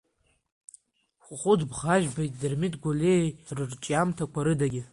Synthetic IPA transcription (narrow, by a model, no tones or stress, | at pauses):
χʷχʷʊdbχaʒᶣbajtʼdɨrmitʼɡʷolerɨrt͡ʃʼamtʰakʷʰaɾɨdaɡʲɪ